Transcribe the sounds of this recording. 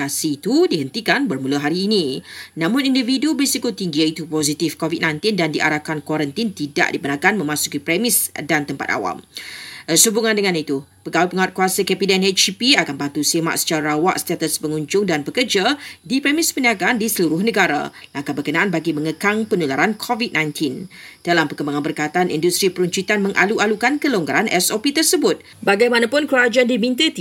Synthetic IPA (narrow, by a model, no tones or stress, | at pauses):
asiːt̪udiɦənt̪ikanbərmũləɦaɾiːnĩnãmʊ̃nindividubəsikut̪iŋɡiait̪upozit̪ifkovit̪̚nãjnt̪indandiʔa̰ɾakankwaɾənt̪int̪ida̰ʔdipənakanmə̃mãsu̥kipɾɛmɪsdant̪əmpa̰t̪a̰wa̰m | subuŋãndəŋãnit̪upəɡawupəŋawat̪̚kuasəkɛpidanɛt͡ʃipiakanbant̪usema̰ʔsə̥t͡ʃaɾawa̰ʔsə̥t̪at̪əspəŋuɲd͡ʒʊŋdanbəkərd͡ʒadipɾɛmɪspəniaɡaandisəluɾʊhnəɡaɾa̰laŋkabərkənãʔanbaɡimə̃ŋəkaŋpənulaɾankʰovit̪̚nãjnt̪ʰind̥alampəkəmbaŋanbərkat̪aanḭndust̪ɾipəɾuɲt͡ʃit̪anmə̃ŋʔa̰luʔalukankəloŋɡaɾanʔɛsopit̪ərsəbʊt̪̚ | baɡajmanapʊnkəɾad͡ʒaandimĩnt̪ət̪